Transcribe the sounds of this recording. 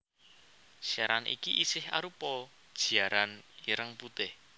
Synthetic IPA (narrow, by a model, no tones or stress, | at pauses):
saɾanʔḭkiʔisɪha̰ɾupɔ | d̥ʒ̥i̤aɾaniɾəŋput̪ɪh